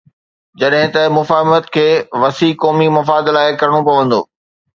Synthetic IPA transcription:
d͡ʑɐɗɦɪ̃t̪ɐmʊfaːɦɪmət̪kʰeːʋɐsiːkɔːmimɐfaːd̪laːɪkɐɾɽ̃opɐʋə̃nd̪o̰ː

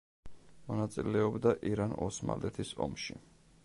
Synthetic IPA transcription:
mɔnat̪sʼilɛɔbd̪aʔiɾanɔsma̰lɛt̪ʰisɔ̰mʃi

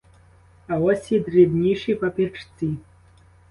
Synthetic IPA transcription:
awasidredniʂipʼapʰʼirʈ͡ʂʰt͡sʼi

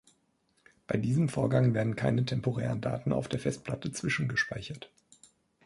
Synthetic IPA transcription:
b̥aɪdiːzəmfoːɐɡaŋveːɐdn̩kʰaɪnətʰɛmpoʁɛ̰ːʁənda̰ːtn̩a̰ʊfd̥eːɐfɛstpʰl̥atət͡sv̥ɪʃn̩ɡəʃpaɪçɐt

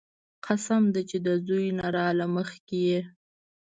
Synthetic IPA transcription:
qʰasamd̪at͡ʃed̪əzujnaɾɑlaməxkeje

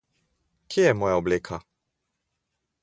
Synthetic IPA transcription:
kʰejɛmɔːjaobleːkʰa

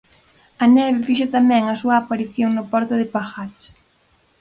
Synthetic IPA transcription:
ɐnɛβɪfiʃ̬ot̪amɛ̃ŋɐsuɐːpaɾiθjoŋnʊpɔɾt̪ʊðɪpaxaɾɪs

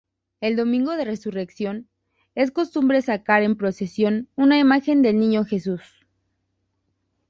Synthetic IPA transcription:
e̞ld̪o̞mĩŋɡo̞ðe̞re̞sure̞ksjo̞n | e̞sko̞st̪umbɾe̞sakaɾe̞mpɾo̞se̞sjo̞nunaimaxe̞nd̪e̞lnĩɲo̞xe̞s̬us

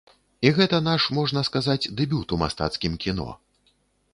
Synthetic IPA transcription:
iɣɛt̪ɐn̪aʂmɔʐnɐskazad͡zʲd̪ɛbʲut̪uma̰st̪a̰t̪skʲimkʲinɔ̰

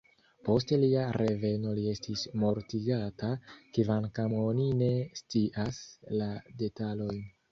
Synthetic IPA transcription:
po̞ste̞liaɾʔe̞ve̞no̞lie̞stismo̞ɾtiɡatakevankamo̞nine̞st͡siʔaslade̞talo̞jn

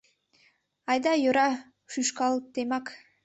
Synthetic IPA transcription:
ɑjd̪ajoɾa | ʃyʃkɑlˠt̪ːemɑk

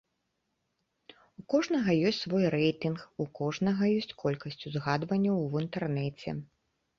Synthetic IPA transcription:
ukɔʐnɐɣɐjɔsʲtʲsvɔjrɛjt̪inxukɔʐnɐɣɐjɔsʲt͡sʲkʰɔlʲkɐsʲt͡sʲuzɣad̪vɐnʲːɐwint̪ɛrnɛt͡sʲɛ̰

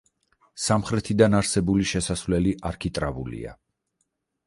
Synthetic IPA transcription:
samχɾɛt̪ʰid̪anaɾsɛbuliʃɛsasvlɛliʔaɾkʰit̪ʼɾavṵlḭa̰

